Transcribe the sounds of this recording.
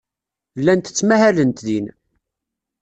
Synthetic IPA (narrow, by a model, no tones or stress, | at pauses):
lːænt̪ə̥t͡sːmæhælənt̪ðin